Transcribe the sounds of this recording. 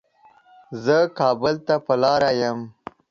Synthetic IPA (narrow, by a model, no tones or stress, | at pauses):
zəkɑːbəlt̪apɐlɑːɾajəm